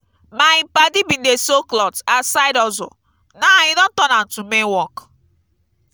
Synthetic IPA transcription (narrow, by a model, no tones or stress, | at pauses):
maɪpadibin̩desoklɔtasaɪdɔzʊ̰ | naɲɪdɔn̩tɔnan̩tumenwɔk